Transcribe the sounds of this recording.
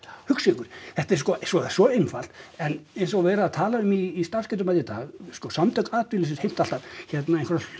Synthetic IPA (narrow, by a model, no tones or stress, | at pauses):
hʏksɪkʏɾ̥θɛht̪aɛɾskɔʔsɔ̥sɔejmfal̥t̪ɛnejnsɔɣvɛːɾaːðt̪ʰaːlaʏmiːst̪ar̥skɛt̪̬ʏmaðjit̪a̰ːɣskɔsamt̪œkaːðp̪ɪlɪs̬ɪshejm̥t̪alt̪aðçɛt̪naẽjnkvaɾ